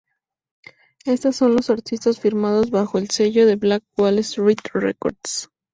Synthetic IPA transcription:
e̞st̪asːo̞nlo̞saɾt̪ist̪asfiɾmað̞o̞zβaxo̞else̞ʝo̞ðe̞βlak̚wwalesrit̪rḛko̞̰ɾd̪s

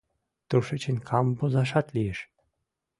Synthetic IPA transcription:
t̪uʃɘt͡ɕĕnʲkʰɑmbozɑʃɑt̪lʲijeʃ

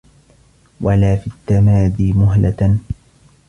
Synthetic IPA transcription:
walaːfit̪ːamaːðiːmʊɦla

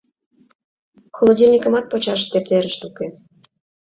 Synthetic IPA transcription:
xolˠod̪ʲilʲnʲikə̆mɑt̪̚pot͡ɕɑʃt̪ep̚t̪eɾə̆ʃt̪uke

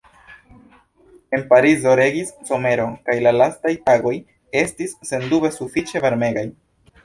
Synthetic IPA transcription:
e̞npaɾizo̞ɾe̞ɡisso̞me̞ɾo̞kajlalastajtaɡo̞j | e̞stisːe̞ndube̞sufit͡ʃe̞vaɾme̞ɡaj

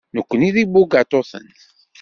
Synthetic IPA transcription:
nəkʷːəniðibuɡat̪ˤoθə̰n

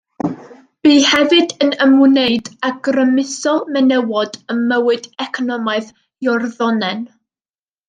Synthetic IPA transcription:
b̥iːhɛvɨdənəmunejdaɡ̥rəmɪsɔlˠmɛnɛwɔdəmːəwɨdɛkʰɔnɔmaɨð | jɔrðɔnɛn

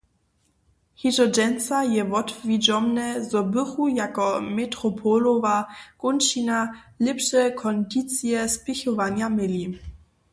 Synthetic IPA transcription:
xidɔd͡ʒɛnt͡sajɛvɔtvid͡ʒɔmnɛzɔbɪxujakɔmɛtɾɔpʰɔlovakɔnt͡ʃinalɛpʂɛkʰɔndit̪t͡sjɛspɪxɔvanjamɪli

